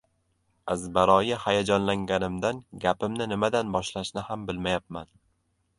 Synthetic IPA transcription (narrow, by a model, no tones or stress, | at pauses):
azbaɾɒjahajad͡ʒɒnlaŋɡʲanɪmd̪anɡʲapɪmnɪnɪmad̪anbɒʃlaʃnɪhambɪlmajap̚ma̰n